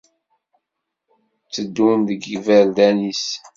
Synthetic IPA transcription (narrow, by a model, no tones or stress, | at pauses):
t͡sːəd̪ːunðəɡivæɾd̪ænis